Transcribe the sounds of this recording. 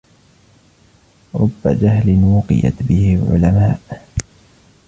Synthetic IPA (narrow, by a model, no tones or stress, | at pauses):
ɾˤʊbːad͡ʒaɦlɪnwʊqɨ̰ja̰t̪bɪhɪlʕʊ̰lamaːʔ